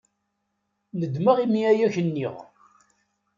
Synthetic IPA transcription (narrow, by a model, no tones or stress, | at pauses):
nəd̪məʁimiæjæçənːiʁ